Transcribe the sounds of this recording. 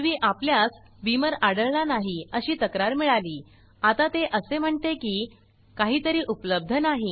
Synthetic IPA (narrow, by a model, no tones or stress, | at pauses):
ʋiːʔapljas | ʋiməɾaɽəɭlanaɦiəɕiːt̪əkɾaɾmiɭaliː | at̪at̪eʔəsem̤əɳt̪ekiː | kaɦiːt̪əɾiːʔupləb̚d̪ʱənaɦi